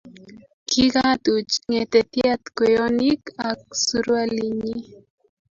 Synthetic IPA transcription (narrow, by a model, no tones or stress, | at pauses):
kʰiɣat̪ut͡ʃŋet̪et̪jat̪kojonikak̚suɾwaliɲi